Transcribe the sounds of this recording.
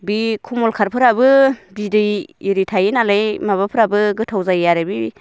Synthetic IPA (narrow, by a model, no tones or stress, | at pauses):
bikʰumɔlkʰaɾpʰɯɾabɯbidɯjiɾitʰajinalajmaβapʰɯɾabɯɡɯtʰawzajjaɾabi